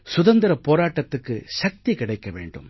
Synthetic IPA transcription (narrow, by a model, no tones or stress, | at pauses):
sʊðɐnd̪ɪɾɐpoːɾaːʈːɐt̪ːɯkːɯʃɐk̚t̪ikɪɽɐɪkːɐʋḛːɳɖɯ̰m